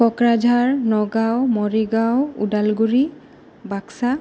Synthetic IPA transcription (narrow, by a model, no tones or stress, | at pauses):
ɔkɹad͡ʒʱaɹnɔɡawmɔɹiɡawṵdalɡuɹi | baksa